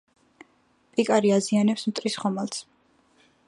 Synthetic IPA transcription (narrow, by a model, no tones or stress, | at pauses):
pʼikʼaɾiazianɛpsmt̪ʼɾisχɔmalˠs